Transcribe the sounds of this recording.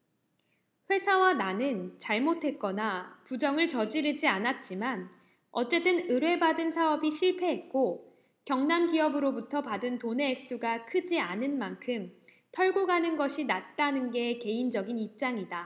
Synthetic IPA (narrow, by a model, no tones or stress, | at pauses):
ɸwe̞sʰawananɯnt͡ɕaɭmotʰe̞t̚k͈ʌnapud͡ʑʌŋɯɭt͡ɕʌd͡ʑiɾɯd͡ʑianat̚t͡ɕ͈iman | ʌt͡ɕ͈e̞t͈ɯnɯɾwe̞badɯnsʰaʌbiɕʰiɭpʰe̞ɦet̚k͈o | kjʌŋnamɡiʌbɯɾobutʰʌpadɯntone̞ːk̚s͈uɡakʰɯd͡ʑianɯnmankʰɯm | tʰʌɭɡoɡanɯnɡʌɕʰinat̚t͈anɯnɡe̞ke̞ind͡ʑʌɡinip̚t͡ɕ͈aŋida